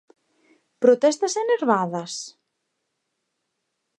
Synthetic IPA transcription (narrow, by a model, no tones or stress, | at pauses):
pɾot̪ɛst̪ɐseneɾβaðɐs